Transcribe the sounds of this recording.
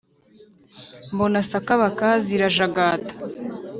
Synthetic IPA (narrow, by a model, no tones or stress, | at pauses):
mbonasakaβakaziɾaʒaɡaːtḁ